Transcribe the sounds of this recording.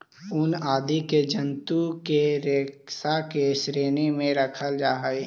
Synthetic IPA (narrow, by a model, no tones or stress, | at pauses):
ʊnaːd̪ʱiked͡ʒənt̪ukeɾeːksakesɾeːnemẽɾəkʰəld͡ʒaːɦəe